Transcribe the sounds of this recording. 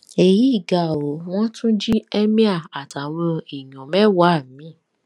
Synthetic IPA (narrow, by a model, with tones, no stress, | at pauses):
e˨ji˨˦i˦˨ɡa˨o˨˦w̃ɔ̃˦tʰũ˦d͡ʒi˦ɛ˦mĩ˦a˦˨a˨ta˨wɔ̃˧i˨j̃ɔ̃˨mɛ˦wa˦˨mĩ˨˦˨